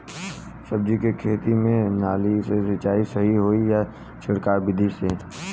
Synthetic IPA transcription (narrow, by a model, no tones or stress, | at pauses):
sɐb̚d͡ʒikekʰeːt̪imẽnaːlisesɐt͡ʃaːisɐɦiɦoːija | ʃɐɽkaːɾbɪd̪ʱise